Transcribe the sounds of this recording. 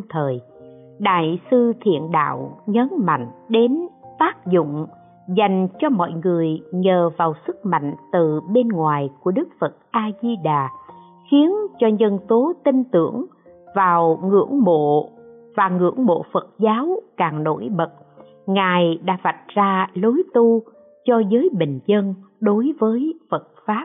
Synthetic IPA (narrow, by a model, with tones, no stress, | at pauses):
t̪ʰəː˨˩j | ɗa̰ː˧˨jsɨ˧t̪ʰḭ˧˨ənɗa̰ː˧˨wɲə˨˦nma̰˧˨jŋ̟ɗe˨˦nt̪aː˦˥k̚zʊ̰˧˨ŋ͡m | za˨˩jŋ̟t͡ɕɔ˧mɔ̰˧˨jŋɨ˨˩əjɲəː˨˩vaː˨˩wsɨ˦˥k̚ma̰˧˨jŋ̟t̪ɨ˨˩ɓe˧nŋwaː˨˩jku˧˩ə˦ɗɨ˦˥k̚fə˨˩t̚ʔaː˧zi˧ɗaː˨˩ | xi˨˦ənt͡ɕɔ˧ɲə˧nt̪o˨˦t̪i˧ŋt̪ɨ̰˧˩əŋ | vaː˨˩wŋɨ̰˧˥əŋɓo̰˧˨ | vaː˨˩ŋɨ̰˧˥əŋɓo̰˧˨fə˨˩t̚zaː˨˦wkaː˨˩ŋɗo̰˧˩jɓə˨˩t̚ | ŋaː˨˩jɗa̰ː˧˥va˨˩t̚zaː˧lo˨˦jt̪u˧ | t͡ɕɔ˧zəː˨˦jɓï˨˩ŋ̟zə˧nɗo˨˦jvəː˨˦jfə˨˩t̚faː˦˥p̚